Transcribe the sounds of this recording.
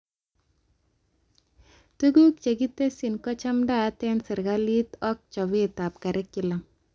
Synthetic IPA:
tu˦ɡu˦k̚t͡ʃe˨ɡi˦te˦si˨nkɔ˦t͡ʃa˦mdaː˦tɛ˦nsɪ˨ɾɡa˦li˦tɔ˦k̚t͡ʃɔ˨βɪ˦ta˨pka˨ɾɛ˦kːɪ˦˨la˨m

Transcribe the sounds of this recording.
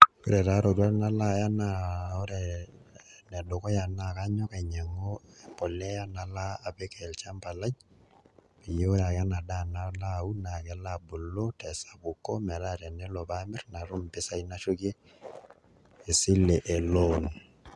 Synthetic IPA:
ku˦ɾɛ˨ta˦ɾo˨ɾwa˦na˦la˦ja˦na˨o˦ɾɛ | nɛ˨do˨kɔ˦ja˨na˨ka˦ɲɔ˦ka˨ɲɛ˨ŋo˦˨pɔ˨lɛ˦ja˦na˨laː˦˨bɛ˦kɛ˨lt͡ʃa˦mpa˨la˦ɲ | pi˨je˦ɾa˨ka˦na˨da˦na˦la˦u˦na˨kɛ˨la˦bu˨lo˦tɛ˨sa˨bʊ˨kːɔ˦mɛ˨la˦ɾɛ˨nɛ˦lo˨bamɛ˦rna˨ɾʊ˦mpɪ˦sa˦ina˦ʃu˦ki˦ | e˨sɪ˦lɛ˨ʔe˨lo˦n

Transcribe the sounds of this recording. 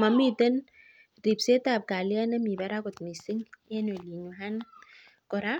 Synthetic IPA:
ma˨mi˦tə˦n | ɾi˨bse˦ta˨p̚ka˨li˦a˦na˦mi˨ba˨˦ɾa˦kɔ˨t̪mi˨si˦ŋɛ˦ne˨li˨ɲu˨ɦa˦n | kɔ˨ɾa˦

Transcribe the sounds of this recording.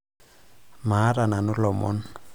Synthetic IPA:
ma˨˦ɾa˨na˨nʊ˦lɔmɔ̰˦n

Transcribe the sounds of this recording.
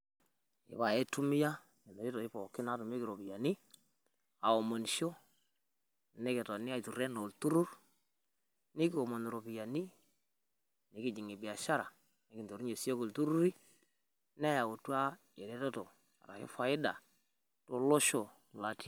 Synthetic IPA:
ɪ̰˨βa˨ɛ˦tu˦mi˦ja˦ | ɛ˨me˨ɾi˦to˨ɪ˦pɔ˨kɪ˦na˦tu˨me˦kɪ˨ɾo˨pi˨ja˨ni˦ | a˨o˨mo˨nʃo˦ | ne˦kɛ˨tɔ˨nɪ˦a˨i˨tu˨rɛ˦no˨ltu˦ɾu˦r | nɪ˦kɪ˦o˨mo˨n˨ɾo˨pi˨ja˨ni˦ | nɪ˨˦kɪ˨d͡ʒi˨ŋe˨bɪ˨a˨ʃa˦ɾa˨ | nɪ˦kɪ˨nto˨ɾi˦ɲe˨si˦o˦ko˨ltu˦ɾu˦ɾi˦ | nɛ˦ja˨o˨twa˦ | ɛ˨ɾɛ˦to˦to˨ | a̰˨ɾa̰˨kḛ˦fa˨ɪ˦da̰˨ | to˦lo˦ʃo˨ | la˨ti˦

